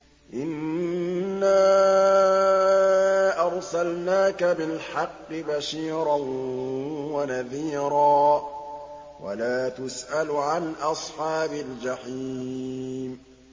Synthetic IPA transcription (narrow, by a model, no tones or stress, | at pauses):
ʔɪnː | aː | ʔɑɾˤsalnaːkabɪlħɑqːɨbaʃiːɾˤɑn | wanaðiːɾɑː | wa̰laːt̪ʊsʔalʕanʔɑsˤħɑːbald͡ʒaħiː | m